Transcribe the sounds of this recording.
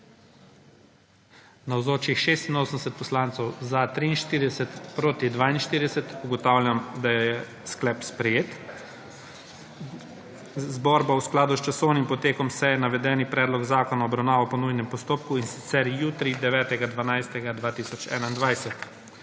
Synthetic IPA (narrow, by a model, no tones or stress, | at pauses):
nawzoːt͡ʃixʃeːst̪inoːsənsɛt̪̚pɔslaːnt̪sɛwzat̪ɾiinʃt̪iːɾid̪ɛsɛt̪pɾoːt̪id̪ʋaːinʃt̪iːɾid̪ɛsɛt̪uɡɔt̪aːwlʲjamd̪ajjɛ | sklɛːpspɾɛjeːt̪ | zbɔɾbausklaːd̪ust͡ʃasɔwnimpɔt̪eːkɔmsɛjɛnaʋɛd̪ɛːnipɾɛːd̪lɔɡzaːkɔnaɔbɾawnaːʋɔpɔnujnɛmpɔst̪oːp̚kuinsi̥t̪sɛɾjuːt̪ɾid̪ɛʋɛːt̪ɛɡad̪ʋanajst̪ɛɡad̪ʋaːt̪iːsɔt͡ʃɛ̰ːnaind̪ʋajsɛt̪